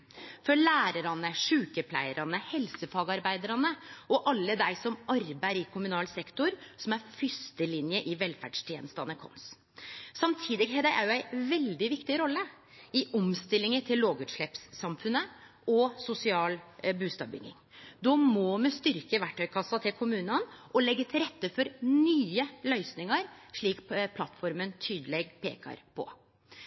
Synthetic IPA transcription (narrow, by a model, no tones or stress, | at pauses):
fɔɾɭæːɾəɾɑnəʂʉːkəpʰlæ̰ɪəɾɑnəhɛlsəfɑːɡɑɾbæɪd̪əɾɑnəɔʔɑlːəd̪æɪsɔmɑɾbæɪɾɪkʰʊmʉnɑːlsɛkt̪ʊɾsɔmæɾfʏst̪əlɪnjəʔɪʋɛlfæɖʂt̪ʰjɛːnəst̪ɑnəkʰɔ̰ns | sɑmt̪ʰiːd̪ɪɡɦed̪æʔæ̰ɾjʊæɪʋɛld̪ɪʋɪkt̪ɪɾɔlːə | ɪʔɔmst̪ɪlːɪŋəʈ̪ʰɪlːoːɡʉːt̪ʂɭɛːpsːɑmfʉnːə | ɔsʊsɪɑːlbʉːst̪ɑ̰ʋbʏ̰ŋːɪ̰ŋd̪ɔmɔmɛst̪ʏɾkəʋæʈːœʏkʰɑsːɑt̪ʰɪlkʰʊmʉːnɑnʔɔlɛɡːət̪ʰɪɾɛt̪ːəfɔɾnyːəlœʏsnɪŋɑɾʂɭiːkpʰlɑt̪ːfɔɾmənt̪ʰyːd̪əlɛɡpʰḛːkɑ̰ɾpʰɔ̰